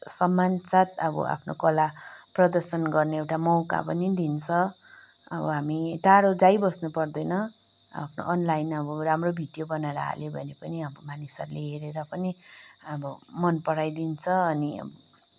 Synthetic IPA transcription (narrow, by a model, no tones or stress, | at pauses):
sʌmːansat̪ʌbʌ̰ʔa̰pʰno̰kʌlaprʌd̪ʌrsʌnɡʌrneewʈamʌwka̰pʌnid̪int͡sʰʌ | ʌ̰bʌ̰ɦamiʈaɽod͡zajbʌsnupʌrd̪ʌjnʌ | a̰pʰno̰ʔʌnlajnʌbʌramrobʱiɖijobʌnaɾa̰a̰lebʱʌnepʌniabʌmanisaɾleɦeɾeɾʌpʌniʌbʌmʌnpʌɽajd̪int͡sʰʌʌniʌ̰bʌ̰